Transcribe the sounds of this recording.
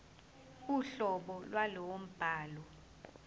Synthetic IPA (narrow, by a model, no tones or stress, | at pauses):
uɬɔɓɔlwalɔwom̩b̥ʱaːlɔ